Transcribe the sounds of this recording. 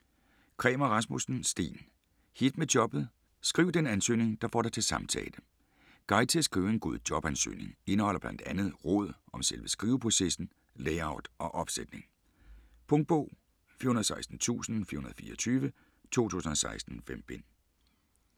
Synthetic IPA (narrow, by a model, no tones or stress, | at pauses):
kʰʁɛːmɐʁɑ̈smusn̩sd̥ḛːn | hid̥med̥jɒ̽b̥ð̩ˠ | sɡ̥ʁiːʊd̥enænsø̰ːne̝ŋd̥ɑ̈fɒ̰ːɾ̥ɑ̈ɪt͡sʰe̝lsɑ̈mt͡sʰɛ̰ːlə | ɡ̥ɑ̈ɪt͡sʰesɡ̥ʁḭʊe̝nɡ̥o̝ð̞̰ˠd̥jɒ̽b̥ænsø̰ːne̝ŋe̝nəhɒ̽l̰ɐb̥lænd̥ænð̞̩ˠʁɔ̽ð̰ˠɒ̽mselʋəsɡ̥ʁiːʊpʰʁo̝sesn̩ | leɪɑ̈ʊd̥ʔɒ̽ʔɒ̽b̥sed̥ne̝ŋ | pʰɔŋd̥̚b̥ɔ̰ʊ̰ | fḭɐunɐðˠsɑ̈ɪsd̥n̩t͡sʰṵːsn̩fḭɐhunɐðˠfiːɐɒt͡sʰyːʋə | t͡sʰo̝̰ːt͡sʰṵːsn̩ɒ̽sɑ̈ɪsd̥n̩fem̰b̥e̝n